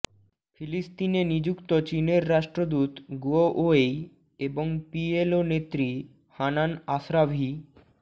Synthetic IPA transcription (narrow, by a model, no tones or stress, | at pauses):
fʰilisʈ̪inenid͡ʑukt̪ot͡ɕineɾːaʃʈɾod̪ut̪ɡuoʔoej | eboŋpielonet̪ːɾi | hananaʃɾabʱi